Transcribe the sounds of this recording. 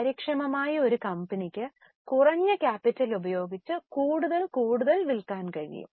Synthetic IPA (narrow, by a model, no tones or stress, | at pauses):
pɐɾikʂɐmɐmaːjio̞ɾukɐmbɐnikʲːɨ | kurɐɲːɐkʲaːpːitːɐlubɐjo̞ːɡit͡ɕːɨkuːɽuðɐlkuːɽuðɐlʋilkaːnkɐɻḭjṵm